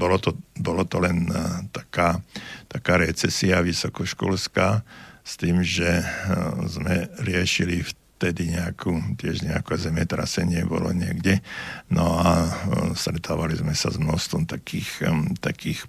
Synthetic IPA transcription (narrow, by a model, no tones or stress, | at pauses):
bɔlɔt̪ɔbɔlat̪ɔlɛnt̪ḁkaːt̪akaːɾɛt͡sɛsiaʋisɔkɔʃkɔ̰lskaːst̪iːmʒɛ | zmɛɾɪɛʃilift̪ɛd̪iɲɛakʰuːt̪ɪɛʒɲɛakɛzɛmɛt̪ɾa̰sɛɲɪɛbɔ̰lɔ̰ɲɪɛɡɟɛnɔast̪ɾɛt̪ʰaːʋalizmɛsa̰zmnɔst̪ʋɔmt̪akʰiːxt̪akiːx